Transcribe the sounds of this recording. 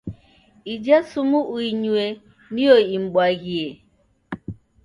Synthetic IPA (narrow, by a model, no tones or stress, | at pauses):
id͡ʒasumʊʔuiɲue | nioiŋ͡m̩ɡ͡baɣie